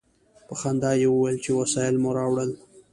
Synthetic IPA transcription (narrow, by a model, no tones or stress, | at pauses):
pəxand̪ɑjewəwajlt͡ʃewasɑjɪlmʊɾɑwɽəl